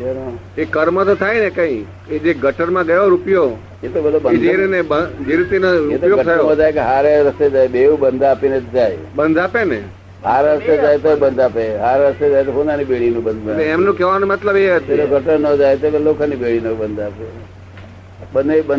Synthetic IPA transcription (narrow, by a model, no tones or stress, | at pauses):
eno | ekəɾmət̪ot̪ʰajnekə̃ĩ | ed͡ʒeɡəʈəɾmãɡəʋoɾupjo | et̪obəd̪ʱobəd͡ʒeɾinebəd͡ʒeɾit̪inəɾuet̪ojoɡət̪ʰajomãd͡ʒajkeɦaɾeɾəst̪ed͡ʒajbeũbənd̪ʱapined͡ʒaj | bənd̪ʱapene | ɦaɾɾəst̪ed͡ʒajt̪obənd̪ʱapeɦaɾeɾəst̪ed͡ʒajt̪oɦõnd̪anibeɽinũbənd̪leemnõkɛʋanomət̪ləbeɦət̪eɾoɡʱəʈəɾnəd͡ʒajt̪okelokʰənibeɭinəbənd̪ʱape | bənebən